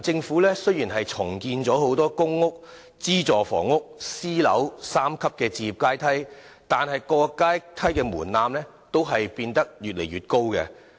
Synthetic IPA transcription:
t͡sɪ˧ŋfu˨˥lɛː˥sɵ˥ɥjiː˨˩nɦɐ˨jt͡sʰʊ˨˩ŋkiː˧nt͡sɔː˨˥ho˨˥wt̪ɔː˥kʊ˥ŋːʊ˥k̚ | t͡siː˥t͡sɔː˨fɔ̰ː˨˩ŋʊ˥k̚siː˥lɐ̰˨˥wsaː˥mkʰɐ˥p̚kɛː˧t͡siː˧jiː˨˩p̚kaː˥jt̪ʰɐ˥jt̪aː˨nɦɐ˨jkɔː˧kaː˥jt̪ʰɐ˥jkɛː˧muː˨˩nnaː˧mlɛː˥ | t̪o˥wɦɐ˨jpiː˧nt̪ɐ˥k̚jyː˨t̚lḛ˨˩jɥyː˨t̚ko˥wkɛ̰˧

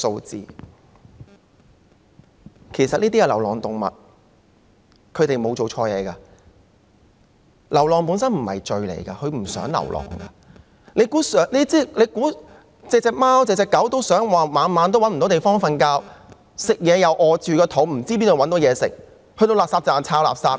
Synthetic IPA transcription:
so˧wt͡sḭː˧ | kʰe˨˩sɐ˨t̚niː˥t̪iː˥kɛː˧lɐ˨˩wlɔː˨˩ŋt̪ʊ˨ŋmɐ̰˨t̚ | kʰɵ˨˧ɥt̪e˨jmo˨˧wt͡so˨wt͡ʃʰɔː˧jɛ̰ː˨˧kɐ˧ | lɐ˨˩wlɔː˨ŋpuː˨˥nsɐ˥nm̩˨˩hɐ̰˨jt͡ʃɵ˧ɥlḛ˨˩jkɐ˧hɵ˨˧ɥm̩˨˩sœ̰ː˨˥ŋlɐ̰˨˩wlʔɔ̰ː˨˩ŋkɐ˧ | le˨˧jkuː˨˥sœː˨˥ŋliː˥t͡siː˥le˨˧kuː˨˥ | t͡sɛː˨˧k̚t͡sɛː˨˧k̚maː˥wt͡sɛː˨˧t͡sɛː˧kːɐ˨˥wt̪o˥wsœː˨˥ŋwaː˨maː˨˧nmaː˨˥nt̪̬wɐ˥nm̩˨˩o˨˥t̪jfɔː˥ŋfɐ˧nkaː˧˥w | sɪ˨k̚jɛː˨˧jɐ˨˧wʔɔː˨˧t͡ʃyː˨kɛː˧t̪ʰo˨˥wm̩˨˩t͡siː˥piː˥nt̪wɐ˨˥nt̪wjɛː˨˧sɪ̰˨k̚ | hɵ˧ɥt̪o˧wlaː˨saː˧p̚t͡saː˨nt͡sʰaː˧wla̰ː˨˩p̚saː˧p̚

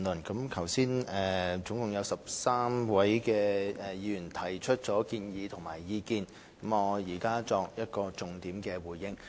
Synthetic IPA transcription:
nlɵ˨˩nkɐ˨˥mkʰɐ˨˩wsiː˥nɛː˨˩t͡sʊ˨˧˥ŋkʊ˨˩ŋjɐ˨˧wsɐ˨p̚saː˥mwɐ˨˥jkɛː˧ɛ˨jiː˨˧jyː˨˩nt̪ʰɐ˨˩jt͡ʃʰɵ˥t̚t͡ʃɔː˨˥kiː˧njiː˨˧t̪ʰʊ˨˩ŋma̰ː˨˩jːiː˨˧kiː˧n | kɐ˨˥mɔː˨˧jiː˨˩kaː˥t͡sɔː˧k̚jɐ˥t̚kɔː˧t͡sʊ˨˧ŋt̪iː˨˥mkɛː˧wuː˨˩jjɪ˥ŋ

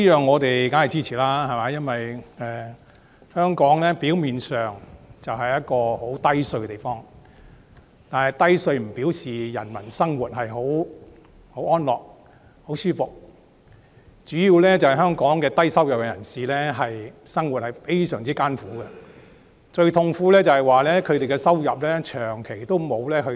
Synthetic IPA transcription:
i˥jœː˨˧ŋːɔː˨˧t̪e˨jka˨˥nhɐ˨˩t͡siː˥t͡sʰiː˨˩laː˥ɦɐ˨˩maː˨˥jɐ˥nwɐ˨jɛː˨˧ | hœː˥ŋkɔː˨˥ŋlɛː˥piː˨˥wmiː˨nsœː˨ŋt͡sɐ˨wɦɐ˨jɐ˥t̚kɔː˧ho˨˥wt̪ɐ˥jsɵ˧kɛ˧t̪e˨jfɔː˥ŋ | t̪aː˨nhɐ˨jt̪ɐ˥jsɵ˧ɥm̩˨˩piː˨˥wsiː˨jɐ˨˩nmɐ̰˨˩nsɐ˥ŋwuː˨t̚ɦɐ˨jɦo˨˥w | ho˨˥wʔɔː˥nlɔː˨˩k̚ | ho˨˥wsyː˥fʊ˨k̚ | t͡ʃyː˨˥jiː˧wlɛː˥t͡sɐ˨whɐ˨jɦœː˥ŋkɔː˨˥ŋkɛː˧t̪ɐ˥jsɐ˥wjɐ˨p̚kɛ˧jɐ˨˩nsiː˨lɛː˥ɦɐ˨jsɐ˥ŋwu˨t̚hɐ˨jfe˥jsœː˨˩ŋt͡siː˥kaː˥nfuː˨˥ɡɐ˧ | t͡ʃɵ˧ɥt̪ʰʊ˧ŋfuː˧˥lɛː˥t͡sɐ˨hɐ˨jwaː˨lɛː˥kʰɵ˨˧t̪e˨jkɛ˧sɐ˥wjɐ˨p̚lɛː˥t͡ʃʰœː˨˩ŋkʰe˨˩jt̪o˥wmo˨˧wlɛː˥hɵ˧

